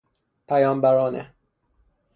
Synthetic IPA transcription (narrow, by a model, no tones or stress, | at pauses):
pʰæjɒːmbæɾɒːnḛ